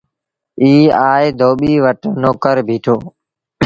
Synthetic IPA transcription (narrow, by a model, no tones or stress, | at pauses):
iːaːed̪ʱoːɓiːʋəʈnoːkəɾbʱiːʈʰoː